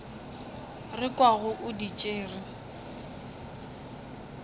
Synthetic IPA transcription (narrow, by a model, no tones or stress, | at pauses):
rɪkʼwaɣʊʔʊdit͡ʃʼeːrɪ